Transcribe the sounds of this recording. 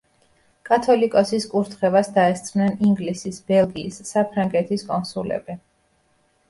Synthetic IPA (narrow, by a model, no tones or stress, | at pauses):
kʼat̪ʰɔlikʼɔsiskʼuɾt̪ʰχɛvasd̪aɛst̪sʼʰmnɛniŋɡlisisbɛlˠɡiːsːapʰɾaŋɡɛt̪ʰiskʼɔnsulɛ̰bɛ